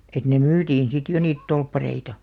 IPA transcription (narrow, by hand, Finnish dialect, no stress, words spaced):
et ne myːtiːn sit jo niːt tolpːɑreitɑ